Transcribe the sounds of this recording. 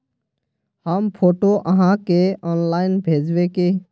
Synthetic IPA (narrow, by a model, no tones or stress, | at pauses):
həmpʰoːʈoʔəɦãkeɔːnlaːɪnbʱeːd͡ʒweke